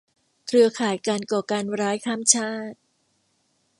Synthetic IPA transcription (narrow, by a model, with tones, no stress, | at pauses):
kʰɾɯ˧ɐkʰaː˨˩jkaː˧nkɔː˨˩kaː˧nɾaː˦˥jkʰaː˥˩mt͡ɕʰaː˥˩t̪̚